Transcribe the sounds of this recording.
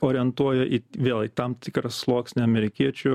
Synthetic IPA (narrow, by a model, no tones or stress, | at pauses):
oːɾʲɪɛnt̪uɔjoːʔiːʋʲeːlˠiːt̪ɐmt̪ʲɪkɾɐsslˠoːksʲnʲɪɐmʲɛɾʲɪkʲiɛt͡ʃʲʊ